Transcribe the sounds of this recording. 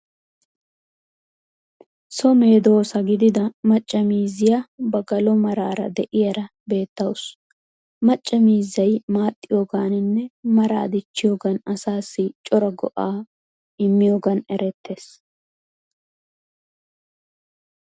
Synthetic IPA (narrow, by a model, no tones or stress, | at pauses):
sɔme̞ːd̪o̞ːsɐɡɪd̪ɪd̪ɐmɐt͡ʃʼːɐmiːzɪjabɐɡɐlɔmɐɾaːɾɐ̰d̪ɛʔɪjɐɾɐ | be̞ːt̪ːɐwʊs | mɐt͡ʃʼːɐmiːzːɐjmaːt̪ʼːɪjoːɡaːnɪnːɛmɐɾa̰ːd̪ɪt͡ʃːɪjoːɡɐnɐsaːsːɪt͡ʃʼɔɾɐɡɔ̰ʔaː | ɪmːɪjoːɡɐnɛɾɛt̪ʰːe̞ːs